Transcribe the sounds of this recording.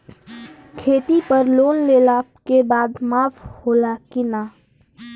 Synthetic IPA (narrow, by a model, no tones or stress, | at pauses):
kʰeːt̪ipəɾloːnleːlakebaːd̪maːfʰhoːlakɪnaː